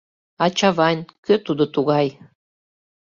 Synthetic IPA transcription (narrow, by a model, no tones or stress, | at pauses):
ɑt͡ɕɑβɑnʲkøt̪ud̪ot̪uɣɑj